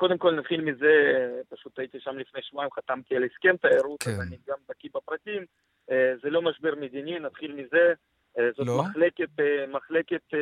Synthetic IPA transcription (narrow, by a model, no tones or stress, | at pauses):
ko̞d̪e̞mko̞lnat̪χilmizepaʃut̪ait̪iʃamlifnejʃmoaimχat̪amt̪ialeskemt̪aeɾut̪azaniɡamd̪akibapɾat̪im | zelo̞maʃbiɾmed̪ininat̪χilmize | zot̪maχleket̪maχleket̪